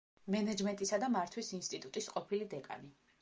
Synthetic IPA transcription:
mɛnɛd͡ʒmɛnt̪ʼisad̪amaɾt̪ʰwisinst̪ʼit̪ʼut̪ʼisqʼɔpʰilid̪ɛkʼa̰ni

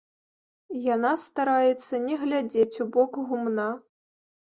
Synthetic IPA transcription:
janast̪aɾajɛt̪sːɐnʲɛɣlʲad͡zʲet͡sʲubɔkɣumna

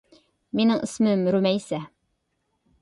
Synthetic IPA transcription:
minɘŋʔɘ̆smɘmɾʉmæjsæ

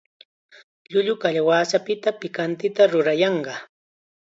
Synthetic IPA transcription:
ʎʊʎʊkaʎawaːsapɪt̪apɪkant̪ɪt̪aɾʊɾajɑɴɢɑ

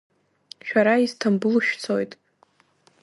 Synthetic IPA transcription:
ʃᶣaɾaiztʰambʊlʃᶣt͡sʰo̞jtʼ

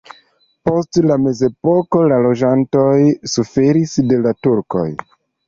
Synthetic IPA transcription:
po̞stlame̞ze̞po̞ko̞lalo̞d͡ʒanto̞jsufe̞ɾisde̞latuɾko̞̰j

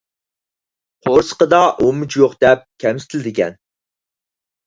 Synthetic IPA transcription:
qʰoɾsə̥qəd̪ɑʔomut͡ʃʰjoqd̪̥ɛp̚kʲʰɛmsɪ̥t̪ʰɪlɪd̪ɪkʲʰɛn

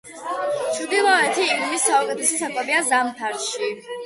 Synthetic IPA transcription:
t͡ʃʰd̪ilˠɔɛt̪ʰiːlmisːaɔkʰɛt̪ʰɛsɔsakʼɔbiazamt̪ʰaɾʃi

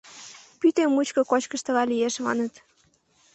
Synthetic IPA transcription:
pyt̪emːut͡ɕkɤ̆kot͡ɕkə̆ʃt̪ə̆lɑlijeʃmɑ̰nə̆t̪

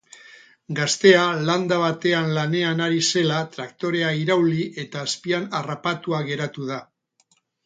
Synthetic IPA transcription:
ɡast̪e̞aland̪aβ̞at̪e̞anlane̞anaɾise̞lat̪ɾakt̪o̞ɾe̞aiɾawliʔe̞t̪aːspianarapat̪uaɣ̞e̞ɾat̪uð̞a

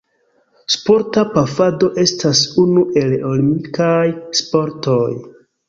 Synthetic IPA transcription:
spo̞ɾtapafado̞ʔe̞stasunuʔe̞lolimikajspo̞ɾto̞j

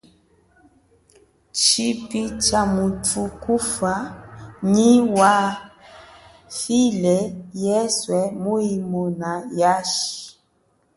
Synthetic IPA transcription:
t͡ʃipit͡ʃamutukufaɲiwa | filɛjɛswɛmuimɔnajaʃi̥

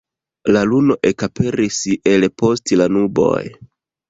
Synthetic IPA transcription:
laluno̞ʔe̞kape̞ɾise̞lpo̞stlanubo̞̰j

